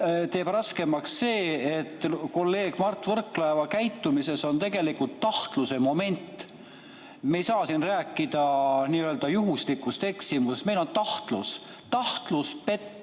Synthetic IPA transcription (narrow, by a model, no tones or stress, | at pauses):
t̪e̞ːb̥rɑske̞mɑksːe̞ːet̪ːˑko̞lːe̞ːɡ̥mɑrt̪ːˑvɤrklɑevɑkæjt̪ːumise̞so̞nt̪e̞ɡ̥e̞likult̪ːɑht̪luse̞mo̞me̞nʲt̪ˑː | me̞jsɑːsinræːkːˑid̪̥ɑniːø̞ːld̪̥ɑjuɦust̪ikːˑust̪e̞ksimusest̪me̞jlo̞nt̪ɑht̪lṵs | t̪ɑht̪luspe̞t̪ː